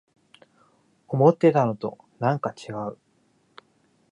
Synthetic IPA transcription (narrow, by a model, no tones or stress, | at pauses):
omo̞t̪ːe̞t̪ano̞t̪o̞̰ | nãŋkat͡ɕiɡaɯ̟